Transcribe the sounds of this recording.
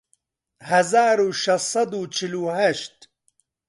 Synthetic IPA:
hɐzaːɾuʃɐssɐd̪uːt͡ʃʰiluɦaʃt̪

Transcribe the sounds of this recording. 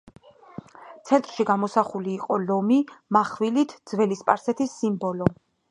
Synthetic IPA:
t̪sʰɛnt̪ʼɾʃiɡamɔsaχuliːqʼɔlɔmimaχvilit̪ʰd̪zvɛlispʼa̰ɾsɛt̪ʰisːimbɔlɔ

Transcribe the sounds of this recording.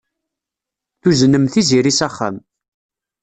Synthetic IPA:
θuznəmθiziɾisæχːa̰m

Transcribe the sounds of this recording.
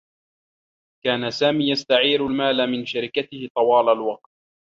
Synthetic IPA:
kaːnasaːmiːjast̪aʕiːɾalmaːlamɪnʃaɾɪkat̪ɪhɪt̪ˤɑwɑːlalwɑq̚t̪̚

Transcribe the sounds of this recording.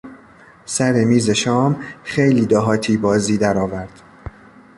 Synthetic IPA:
sæɾemiːze̞ʃɒːmxejliːd̪ɒːɦɒːt̪ʰiːbɒːziːd̪æɾɒːvæɾd̪̥

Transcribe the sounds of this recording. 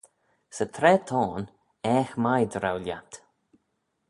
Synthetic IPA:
sət̪ʰɾɛːt̪ʰɔːn | ɛːxmajd̪ɾawljat̪

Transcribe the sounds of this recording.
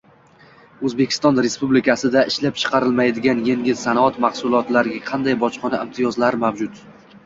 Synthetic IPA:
ɵzbe̞kʲʰɪ̥st̪ɒnɾe̞spublɪkʲʰasɪd̪aɪʃlap̚t͡ʃʰɨ̥qʰɑɾɪlˠmajd̪ɪɡʲanjeŋɡʲɪzsanɒt̪maχsʊlˠɒt̪laɾɪɡʲaqʰɑnd̪ajbɒt͡ʃqʰɒnaɪmt̪ʰijɒzlaɾmavd͡ʒʊt̪

